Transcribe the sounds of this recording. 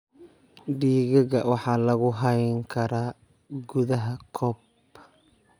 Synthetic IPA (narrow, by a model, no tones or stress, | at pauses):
ɖiːɣɐɣɐwɑħɑːlɐɣʊɦɐjŋkʰɐɾaː | ɡʊðɐɦɐkʰɔb